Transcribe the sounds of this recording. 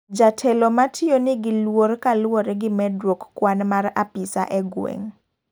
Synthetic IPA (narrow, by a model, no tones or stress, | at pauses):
d͡ʒatʰɛlɔmatʰɪonɪɡɪlworkalwoɾɛɡɪmɛdwokːwanmara̰pisa̰ʔɛɡwḛŋ